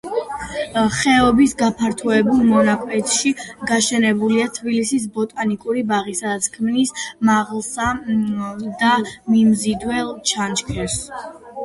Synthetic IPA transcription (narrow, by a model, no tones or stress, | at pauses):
χɛɔbisɡapʰaɾt̪ʰuɛbulˠmɔnakʼʰwɛt̪ʃiɡaʃɛnɛbuliat̪ʰbilisisbɔt̪ʼanikʼuɾibaʁisad̪at̪sʰkʰmnismaʁlˠsa | d̪amimzid̪wɛlˠt͡ʃʰant͡ʃkʰɛs